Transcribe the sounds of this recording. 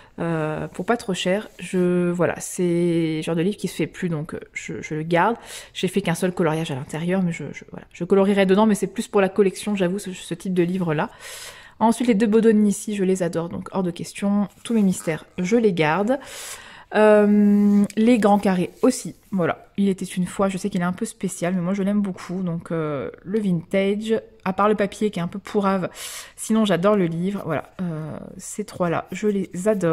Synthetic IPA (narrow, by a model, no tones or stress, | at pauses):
øpuʁpat̪χoʃɛːʁʒəvwala̰sɛʒɑ̃ʁd̪əlivʁkʲisə̥fɛplyd̪ɔ̃kʒ̥ə̰ʒələɡaʁd̪ʒ̥efɛkɛ̃sœlkɔlɔʁjaʒalɛ̃t̪ɛʁjœʁmɛʒə̰ʒəvwa̰la̰ʒ̥əkɔlɔʁiʁɛd̪əd̪ɑ̃mɛsɛplyspuʁlakɔlɛksjɔ̃ʒavusəsət̪ʰip̚d̪əlivʁəla | ɑ̃sɥit̪led̪øbod̪ɔnisiʒəlezad̪ɔʁd̪ɔ̰̃kʰɔ̰ʁd̪əkʲɛst̪jɔ̃t̪umemist̪ɛːʁʒəleɡaʁd̪ | ømleɡʁɑ̃kaʁeosi | vwala̰ | ilet̪ɛt̪ynfwaʒəsɛkilɛt̪ɛ̃pøspesjalmɛmwaʒəlɛmbokʰud̪ɔ̃kʰøləvint̪ɛʒ | apaʁləpapjekʲɛt̪ɛ̃pøpʰuʁavsinɔ̃ʒad̪ɔʁləlivʁvwa̰la̰ø̰set̪χwala̰ʒəlezad̪ɔ